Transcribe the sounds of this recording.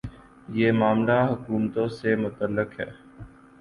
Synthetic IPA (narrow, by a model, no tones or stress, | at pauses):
jeːmaːmlaɦʊkuːmt̪õsemʊt̪əlːəkɦɛ̰ː